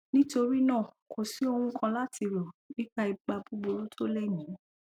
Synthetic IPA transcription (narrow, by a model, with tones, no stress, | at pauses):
nĩ˦to˧ɾi˦nãː˦˨ | ko˨si˨˦o˧w̃ũ˧kʰã˧la˦tʰi˧ɾɔ˨bĩ˦k͡pa˦i˧ɡ͡ba˧bu˦ɡ͡bo˧ɾo˦tʰo˦lɛ˦˨nĩ˨˦